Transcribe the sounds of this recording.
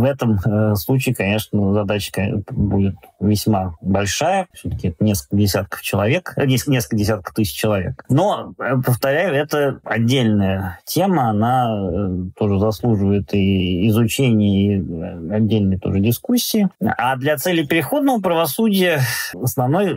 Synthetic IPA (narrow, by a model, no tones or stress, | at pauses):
vɛt̪əmslˠut͡ɕɪːkɐnʲe̞ʂnəzɐd̪at͡ɕə̥kbudʲɪt̪vʲɪsʲmabɐlʲʂajəfsʲot̪ə̥kʲɪɛt̪ənʲeskəlkədʲɪsʲat̪̚kə̥ft͡ɕɪlˠɐvʲe̞knʲesnʲeskəkədʲɪsʲat̪kə̥ft̪ɨsʲɪ̥t͡ɕːɪlˠɐvʲḛkno̞pəft̪ɐɾʲæjʊɛt̪əɐdʲːelʲnəjətʲe̞məana | t̪o̞ʐɨzɐslˠuʐɨvəjɪt̪iːzʊt͡ɕenʲɪjəiɐdʲːelʲnəjt̪o̰ʐɨdʲɪskusʲːɪːad̪lʲɐt̪sɛlʲɪpʲɪɾʲɪxo̞d̪̚nəvəpɾəvɐsudʲɪjəɐsnɐvno̞j